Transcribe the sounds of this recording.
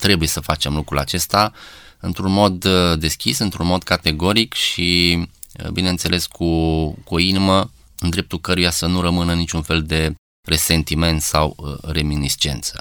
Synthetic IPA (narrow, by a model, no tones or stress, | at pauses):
t̪ɾe̞buje̞səfat͡ʃe̞mlukɾula̰t͡ʃe̞st̪aɨnt̪ɾunmo̞d̪ːe̞skʲisɨnt̪ɾunmo̞d̪kat̪e̞ɡo̞ɾikʃi | binent̪se̞lʔe̞skʰukuoinimə | ɨnd̪ɾe̞p̚t̪ulkəɾujasənuɾəmɨnənit͡ʃʲunfe̞ld̪e̞ | re̞se̞nt̪ime̞nt̪sawre̞minist͡ʃe̞̰nt̪sə̥